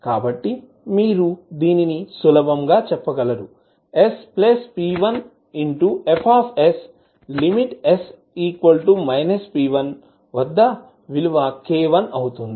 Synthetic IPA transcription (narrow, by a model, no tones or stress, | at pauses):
kaːbɐʈːi | miːɾud̪iːninisulɐbɐmɡaːt͡ʃɛpːɐɡɐlɐɾu | esplespiːʋɐn | iɳʈuepʰaːpʰes | limiʈes | iːkʋɐlʈumɐjnɐspiːʋɐn | ʋɐd̪ːɐ | ʋiluʋaːkeːʋɐnɐwut̪und̪i